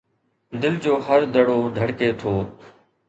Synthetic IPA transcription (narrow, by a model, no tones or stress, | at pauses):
d̪ɪld͡ʑoːɦəɾd̪əɽoːɖ̪ʱəɽkeːt̪ʰoː